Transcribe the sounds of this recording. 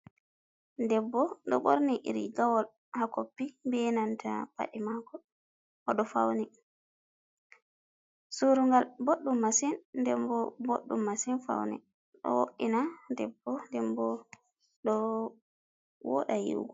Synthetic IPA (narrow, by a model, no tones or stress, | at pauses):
dɛbːɔɗɔɓoɾniʔḭɾḭɡawɔl | hakopːibɛnantʰa̰pa̰ɗimakɔ | ʔɔɗɔfawnɛ | suɾuŋɡalboɗːumːasɛnːdɛmbɔboɗːumːasinfa̰wnɛ̰ | ɗɔ̰woɗːinadɛbːɔndɛmbɔ | ɗɔ | wɔ̰ɗajḭwɡɔ